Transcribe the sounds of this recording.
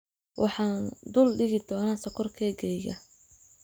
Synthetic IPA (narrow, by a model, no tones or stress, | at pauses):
wʔɑ̰ħɑːnd̪ʊlɖɪɣɪd̪ɔːnaːsɐkʰɔrkʰɛːɡɛːjɐ̰